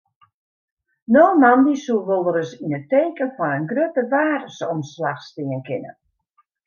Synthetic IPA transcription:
noːmandisulˠʋolˠdəɾəsinəteːkənfɔnənɡrøtəʋaːrəsɔmslaxstɪənkɪnə̰

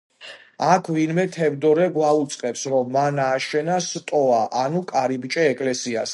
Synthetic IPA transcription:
akʰvinmɛt̪ʰɛvd̪ɔɾɛɡwaut̪sʼqʼɛpsɾɔmːanaːʃɛnast̪ʼɔaʔanukʼaɾibt͡ʃʼɛːkʼlɛsias

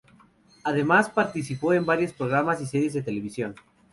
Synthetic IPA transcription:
aðe̞maspaɾt̪is̬ipo̞e̞mbaɾjo̞spɾo̞ɣ̞ɾamasiseɾje̞zðe̞t̪e̞le̞β̞isjo̞n

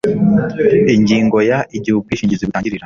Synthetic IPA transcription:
iɲɟiːŋɡo̞jaʔiɟihukiːʃiːɲɟiziβiaːɲɟiɾiɾa

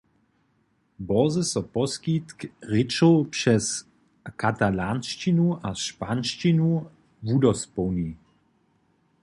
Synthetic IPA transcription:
bɔzəsɔpɔskit̪kʁɪt͡ʃopʂɛs | kat̪alanʃt͡ʃinuaʃpanʃt͡ʃinu | vudɔspɔwni

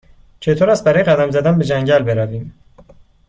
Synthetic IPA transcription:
t͡ʃʰe̞t̪ʰoɾæst̪̚bæɾɒːjeɣæd̪æmzæd̪ænbe̞d͡ʒæŋɟælbe̞ɾæviːm

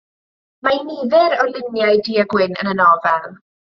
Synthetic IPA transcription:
mainiðɛɾɔlˠɪnjajdiːaɡwɪnə̰nənɔvɛlˠ

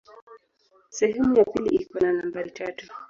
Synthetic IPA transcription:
sɛhɛmujapiliʔikɔnanambaɾitatu

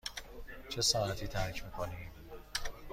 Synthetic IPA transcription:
t͡ʃʰe̞sɒːnæt̪ʰiːt̪ʰæɾcʰmiːkʰoniːm

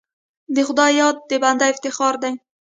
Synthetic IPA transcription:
d̪eχʊd̪ɒjɒt̪̚d̪epand̪aɪft̪ɪχɒɾd̪aŋ

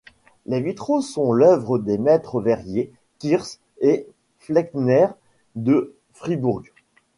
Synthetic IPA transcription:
levit̪χosɔ̃lœvʁəd̪emɛt̪χəvɛʁje | kʲiʁs | e | flɛknɛʁ | d̪ə | fχibuʁɡ

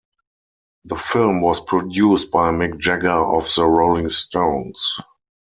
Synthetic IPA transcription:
ðəfɪlmwɔspʰɹɔdjuːst̚b̥aɪmɪk̚d͡ʒɛɡəɔfðəɹoʊlɪ̃ŋstʰõʊ̃ns

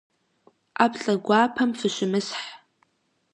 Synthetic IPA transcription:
apʰɬʼɐɡʷaːpʰɐmfɨʃʷɪmɨsħ

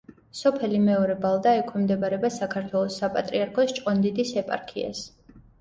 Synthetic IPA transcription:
sɔpʰɛlimɛɔɾɛbalˠd̪aɛkʰwɛmd̪ɛbaɾɛbasakʰaɾt̪ʰwɛlˠɔsːapʼat̪ʼɾiaɾkʰɔst͡ʃʼqʼɔnd̪id̪isɛpʼa̰ɾkʰḭa̰s

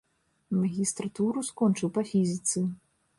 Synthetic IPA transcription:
mɐɣʲist̪ɾat̪uɾuskɔnt͡ʂɨwpɐfʲizʲit̪sɨ

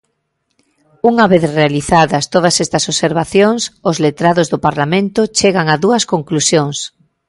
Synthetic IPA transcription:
uŋaβeθrealiθaðɐst̪oð̞ɐsɛst̪ɐsoβseɾβaθjoŋsʊzlet̪ɾaðozðʊpaɾlamẽnt̪ʊt͡ʃeɣaŋaðuɐskoŋklusjoŋs

